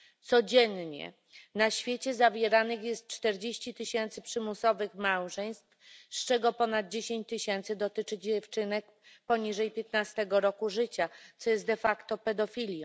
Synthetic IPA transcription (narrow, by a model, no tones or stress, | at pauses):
t̪sɔd͡ʑɛnɲɛ̰ | naɕfʲjet͡ɕɛzavʲjɛɾanɘxjɛst̪̚t͡ʂt̪ɛɾd͡ʑeɕt͡ɕit̪ɘɕɛnt̪sɘpʂɘmusɔvɘxmawʐɛj̃st̪fst͡ʂɛɡɔpɔnad̪̚d͡ʑeɕẽɲt͡ɕt̪ɘɕɛnt̪sɘd̪ɔt̪ɘt͡ʂɘd͡ʑɛft͡ʂɘnɛk̚ | pɔɲiʐɛjpʲjet̪nast̪ɛɡɔɾɔkuʐɘt͡ɕat̪sɔjɛst̪d̪ɛfakt̪ɔpɛd̪ɔfʲilʲj